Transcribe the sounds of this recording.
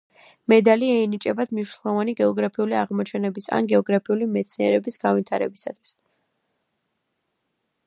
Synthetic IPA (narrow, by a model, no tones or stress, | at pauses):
mɛd̪aliɛinit͡ʃʼɛbad̪̥mniʃnɛlˠɔvaniɡɛɔɡɾapʰiuliaʁmɔt͡ʃʰɛnɛbisa̰nɡɛɔɡɾapʰiulimɛt̪sʰniɛɾɛbisɡ̥anvit̪ʰaɾɛ̰bisat̪ʰwi̥s